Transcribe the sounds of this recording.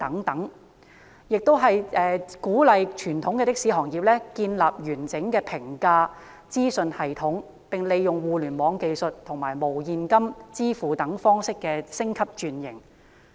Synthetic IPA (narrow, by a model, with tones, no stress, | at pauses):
t̪ɐ˨˥ŋt̪ɐ˨˥ŋ | jɪ˨k̚t̪o˥wɦɐ˨jʔɛː˨˧kuː˨˥lɐ˨˧jt͡ʃʰyː˨˩nt̪ʰʊ˨˥ŋkɛ˧t̪ɪ˥k̚siː˨˥ɦɔː˨˩ŋjiː˨p̚lɛː˥kiː˧nlaː˨p̚jyː˨˩nt͡sɪ˨˥ŋkɛː˧pʰɪ˨˩ŋkaː˧ | t͡siː˥sɵ˨˧nhɐ˨˩jt̪ʰʊ˨˥ŋ | pɪ˨ŋle˨˧jjʊ˨ŋwuː˨˧lyː˨˩nmɔː˨˧ŋke˧jsɵ˨t̚t̪ʰʊ˨˩ŋmaː˨˩jmo˨˩wjiː˨nkɐ˥mt͡siː˥fuː˨t̪ɐ˨˥ŋfɔː˥ŋsɪ˥kːɛː˧sɪ˥ŋkʰɐ˥p̚t͡ʃyː˨˧njɪ˨˩ŋ